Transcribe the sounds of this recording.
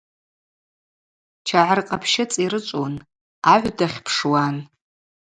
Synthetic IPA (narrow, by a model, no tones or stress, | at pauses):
t͡ʃʰaʕarqʼapʰʃɪt͡sʼiɾɨt͡ʃʷʼon | aʕʷdaχʲpʰʂwan